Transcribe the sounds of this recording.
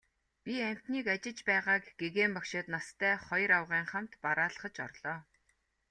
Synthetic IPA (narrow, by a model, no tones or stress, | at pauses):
pʲiæm̥ʲt̪niːkat͡ɕɪ̆t͡ɕpæːʁaːkɡ̥eɣeːmpakʃʊːt̪nast̪ʰæːχɔjɾawʁiːŋχam̥t̪paɾaːɮə̆χə̆t͡ɕɔ̰rɮ̥ɔː